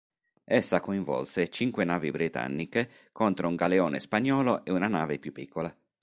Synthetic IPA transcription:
ɛsːakoĩɱvɔ̰lset͡ʃiŋkwenaːvibɾit̪a̰nːike | kʰont̪ɾouŋɡaleoːnḛspaɲːɔːloʔeunanaːvepjupːikʰːola

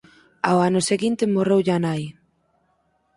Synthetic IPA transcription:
aoanoseɣint̪emorewʎanaj

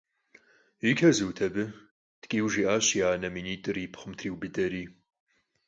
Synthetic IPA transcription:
ikʲʰɐzɨwtʰɐbɨ | tkʲʼiːwʒiːʔaːɕiaːnɐminiːtʼɨriːpʰχəmtʰriːwbɨdɐɾiː

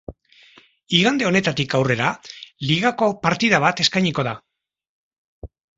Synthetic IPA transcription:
iɣand̪e̞o̞ne̞t̪at̪ikawre̞ɾaliɣako̞paɾt̪iðaβ̞at̪e̞skajɲiko̞ð̞a

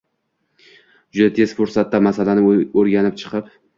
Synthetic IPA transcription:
d͡ʒʊd̪at̪ʰe̞zfʊɾsat̪ːamasalanɪoɾɡʲanɪp̚t͡ʃʰɨ̥qʰɨp

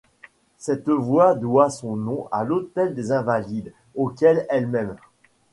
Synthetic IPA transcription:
sɛt̪vwad̪wasɔ̃nɔ̃ʔa̰lot̪ɛld̪ezɛ̃valid̪ | okʲɛlɛlmɛm

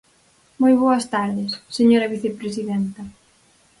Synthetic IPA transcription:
mojβ̞oɐst̪aɾðɪsːeɲoɾɐβiθepɾes̬iðɛnt̪ɐ

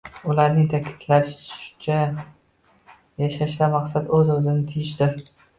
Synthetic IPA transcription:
ʊlaɾnɪŋt̪ʰakʲʰɪ̥t̪ʰlaʃt͡ʃʰa | jaʃaʃlamaqsat̪ɵzɵzɪnɪt̪ʰɪjɪʃt̪ɪɾ

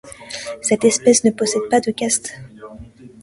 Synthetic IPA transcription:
sɛt̪ɛspɛsnəpɔsɛd̪̚pad̪əkʲast̪

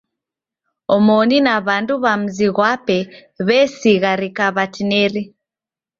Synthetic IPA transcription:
ɔmɔninaβanduβam̩ziɣwapɛ | βɛsiɣaɾikaβatinɛɾi

